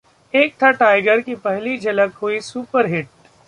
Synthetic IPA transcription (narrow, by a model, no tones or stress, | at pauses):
eːk̚t̪ʰaʈaːɪɡəɾkipɛɦlid͡ʒɐləkɦuisuːpəɾɦɪʈ̚